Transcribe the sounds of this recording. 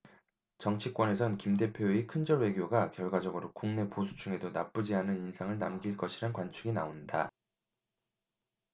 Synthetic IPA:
t͡ɕʌŋt͡ɕʰik͈wʌne̞sʰʌnkimde̞pʰjoikʰɯnd͡ʑʌɭwe̞ɡjoɡakjʌɭɡwad͡ʑʌɡɯɾokuŋne̞posʰu̥t͡ɕʰuŋe̞donap͈ud͡ʑiɦanɯninsʰaŋɯɭnamɡiɭk͈ʌɕʰiɾankwant͡ɕʰɯɡinaonda

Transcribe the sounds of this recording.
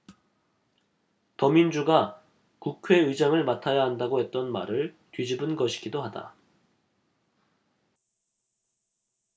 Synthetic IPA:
tʌmind͡ʑuɡa | kukʰwe̞ɯd͡ʑaŋɯɭmatʰajaɦandaɡoɦe̞t̚t͈ʌnma̰ɾɯɭ | tɥid͡ʑibɯnɡʌɕʰi̥ɡidoɦada̰

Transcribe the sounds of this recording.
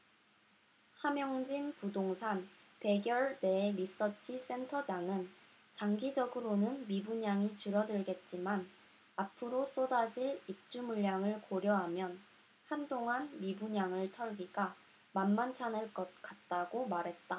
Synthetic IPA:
hamjʌŋd͡ʑinpudoŋsʰan | pe̞ɡjʌɭne̞ɾis͈ʌt͡ɕʰis͈ʰe̞ntʰʌd͡ʑaŋɯn | t͡ɕaŋɡid͡ʑʌɡɯɾonɯnmibuɲaŋit͡ɕuɾʌdɯɭɡe̞t̚t͡ɕ͈iman | apʰɯɾos͈odad͡ʑiɭip̚t͡ɕ͈umuʎjaŋɯɭkoɾjʌɦamjʌn | handoŋanmibuɲaŋɯɭtʰʌɭɡiɡa | manmant͡ɕʰanɯɭk͈ʌt̚k͈at̚t͈aɡomaɾɦe̞t̚t͈a

